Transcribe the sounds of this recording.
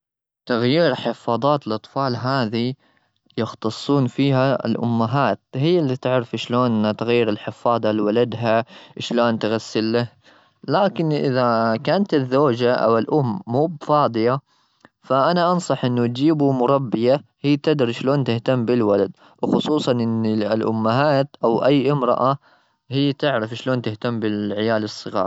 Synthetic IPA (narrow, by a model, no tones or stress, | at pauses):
t̪aɣjiːɾħɪfɑːðˤɑːt̪ɪlʔɑt̪ˤfɑːlɦaːði | jɪxt̪ɑsˤːuːnfiːɦa̰lʔʊ̰mːaɦaːt̪̚hɪjːalːit̪ɪʕɾɪfʃloːnʔnat̪aɣajːɪɾɪlħɪfɑːd̪ˤɑlwalad̪ɦaʃloːnt̪ɣasːɪlːah | laːkɪnʔɪ̰ðakaːnt̪ɪzːoːd͡ʒaʔa̰wɪlʔʊmːuːbfɑːd̪ˤɨja | faʔanaʔɑnsˤɑħʔɪnːʊt̪d͡ʒiːbumʊɾˤɑbːɪjahiːt̪ɪd̪ɾʃloːnt̪ɪht̪amːbɪlwalad̪ | wxʊsˤuːsˤɑnʔɪnːilʔʊ̰mːaɦaːt̪ʔawʔajːʔɪmɾɑ̰ʔa | hɪjːt̪ɪʕɾɪfʃloːnt̪ɪht̪amːbɪlʕɪjaːlɨsˤːɨɣɑ̰ːɾˤ